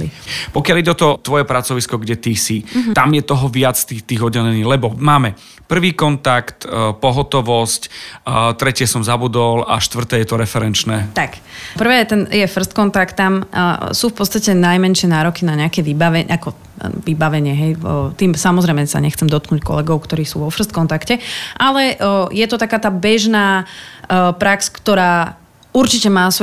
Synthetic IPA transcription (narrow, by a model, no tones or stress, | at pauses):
ipɔkɪaliɟɛɔt̪ɔt̪ʋɔjɛpɾat͡sɔʋiskɔɡɟɛt̪isit̪amjɛt̪ɔɦɔʋɪat͡st̪iːt̪iːɣɔdɟɛlɛniːɣlɛbɔmaːmɛ | pr̩ʋiːkɔnt̪akt̪pɔɦɔt̪ɔʋɔsct̪ɾɛcɪɛsɔmzabud̪ɔla̰ʃt̪ʋr̩t̪ɛːjɛt̪ɔɾɛfɛɾɛnt͡ʃnɛːt̪akpr̩ʋɛːjɛt̪ɛnjɛfr̩st̪̚kɔnt̪akt̪ːamsuːfpɔt̪t͡st̪acɛnajmɛnʃɪɛnaːɾɔkinaɲɛakɛʋibaʋɛʔakɔ | ʋibaʋɛɲɪɛɦɛjt̪iːmsamɔzɾɛɪmɛsa̰ɲɛxt͡sɛmd̪ɔt̪̚knuːckɔ̰lɛɡɔʊkt̪ɔɾiːsṵːʋɔfr̩st̪kɔnt̪akcɛʔalɛjɛt̪ɔt̪akaːt̪aːbɛʒnaː | pɾakskt̪ɔɾaː | uɾt͡ʃicɛmaːs